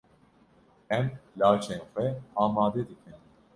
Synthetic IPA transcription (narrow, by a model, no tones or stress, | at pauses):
ɛmlaːt͡ʃʰɛxʷɛamaːd̪ɛd̪ikʰɛn